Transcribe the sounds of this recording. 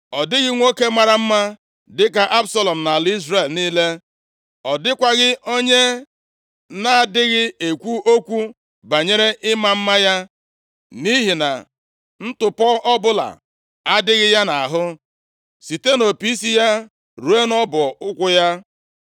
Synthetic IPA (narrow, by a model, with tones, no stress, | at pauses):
ɔ˨dɪ˦ɣɪ˦ŋʷo˦ke˦ma˨ɾa˨m̩˦ma˦ | dɪ˦ka˨ʔa˦bsa˦lɔ˨m̩˨na˨li˦zre˨lniː˦le˦ | ɔ˨dɪ˦kʷa˨ɣɪ˦ʔo˦ɲe˦ | na˨dɪ˦ɣɪ˦e˨kʷu˦ʔo˦kʷu˦ | ba˨ɲe˦ɾe˦ʔɪ˦ma˦m̩˦ma˦ja˦ | ni˦ɦi˨na˨ | n̩˦tʊ˨pɔ˦ɔ˦bʊ˦la̰˨ | a˦dɪ˦ɣɪ˦ja˦na˨a˨ɦʊ˦ | si˨te˦no˨pi˦si˦ja˦ | ɾu˨˦e˦nɔ˦bʊ˨ʊ˦kʷʊ˦ja˦